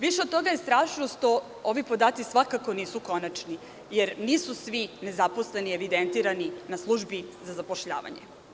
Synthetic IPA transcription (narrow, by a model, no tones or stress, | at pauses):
ʋiʃed̪̚t̪o̞ɡajest̪ɾaːʃnoʃt̪o̞ | oʋipo̞d̪aːt̪sisʋakako̞niːsuko̞nat͡ʃni | jeɾniːsusʋine̞zapo̞sle̞nie̞ʋid̪ent̪iːɾaninaslˠuʒbizazapoʃʎa̰ːʋa̰ɲḛ